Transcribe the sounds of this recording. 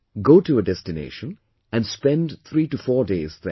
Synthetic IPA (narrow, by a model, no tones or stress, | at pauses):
ɡoːʈuəɖɛstɪnḛːʃə̃n | æ̃nspɛ̃nɖt̪ʰɾiːʈufɔːdeːz̥ðɛ